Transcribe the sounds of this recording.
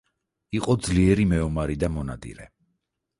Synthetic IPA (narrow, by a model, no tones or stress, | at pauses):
iqʼɔd̪zliɛɾimɛɔmaɾid̪amɔnad̪ḭɾɛ